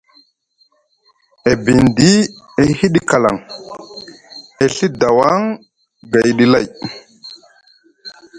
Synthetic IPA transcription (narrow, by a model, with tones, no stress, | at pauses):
e˨bi˨ndi˦ | e˨˦hi˦ɗi˦ka˨la̰˨ŋ | e˨ɬi˦da˨wa˦ŋ | ɡa˨jɗi˨la˦˨j